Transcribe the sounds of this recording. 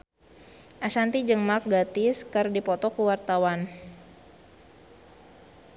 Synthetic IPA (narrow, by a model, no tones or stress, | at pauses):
ʔaʃant̪id͡ʒɨŋmak̚ɡat̪ɪskɨrdipɔt̪ɔkuwart̪awan